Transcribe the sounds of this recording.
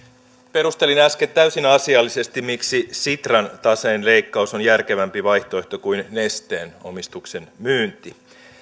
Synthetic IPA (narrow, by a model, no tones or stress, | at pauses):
pe̞ɾust̪e̞linæsket̪t̪ːæysinɑsiɑlːise̞st̪immiksisit̪rɑnt̪ɑseːnle̞ikːɑuso̞njærk̟e̞ʋæmpiʋɑjht̪o̞e̞ht̪okujnːest̪eːno̞̰mist̪ukse̞nmyːnt̪i